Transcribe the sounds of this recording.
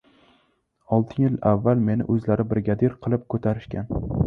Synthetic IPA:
ɒlˠt̪ʰɪjjɪlavːalme̞nɪ̰ʔɵzlaɾɪbɪɾɡʲad̪ɪɾqʰɨlˠɪp̚kʰɵt̪ʰaɾɪʃkʲan

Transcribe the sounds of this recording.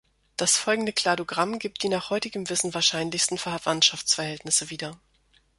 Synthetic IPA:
d̥asfɔlɡŋ̩dəkl̥aːdoɡʁamɡiːp̚t̚d̥iːnaːχhɔʏtɪɡəmvɪsn̩vaːɐʃaɪnlɪçstn̩fɛɐvantʃaft͡sfɛɐhɛltnɪsəviːdɐ

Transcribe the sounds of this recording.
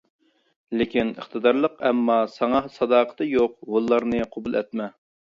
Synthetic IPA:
lɪkʲinə̰χt̪ɨd̪ɑɾlˠəqɛmːɑsɑŋɑsɑd̪ɑːqʰə̥t̪ɨjoq̚wolˠːɑɾnɨqʰobulˠɛ̰t̪̚mɛ

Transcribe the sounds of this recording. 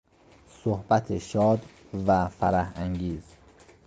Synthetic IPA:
sohb̥æt̪ʰeʃɒːd̪ | væfæɾæhæŋɟiːz̥

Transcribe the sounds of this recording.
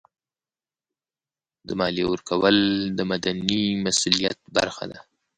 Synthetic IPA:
d̪əmɑliwəɾkawəld̪əmad̪animasulijat̪̚ba̰ɾxa̰d̪a

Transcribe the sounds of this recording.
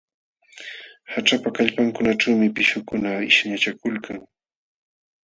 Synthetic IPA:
haʈ͡ʂapakaʎpaŋkʊnaʈ͡ʂawmɪpɪʃʊkʊnaɪʃɲat͡ʃakʊlkaŋ

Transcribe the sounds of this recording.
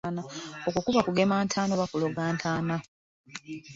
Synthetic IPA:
nao̞kukuβakuɡe̞maːntʰaːno̞βakuloɡaːntʰaːna

